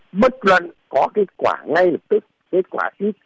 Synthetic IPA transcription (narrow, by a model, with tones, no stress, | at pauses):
mə˦˥t̚lwə˧˨nkɔ˨˦ke˦˥t̚kwa̰ː˧˩ŋa˧jlə˨˩p̚t̪ɨ˦˥k̚ | ke˦˥t̚kwaː˧˩si˦˥t̚